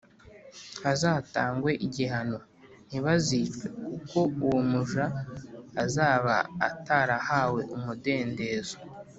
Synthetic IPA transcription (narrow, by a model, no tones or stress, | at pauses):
azaːtaːŋɡwe̞ʔiɟiɦano̞ | n̥iβaziːt͡ʃwe̞kuko̞uwomuʒaː | zaːβa̰ːtaːɾahaːwe̞ʔumude̞ːnde̞ːzo̥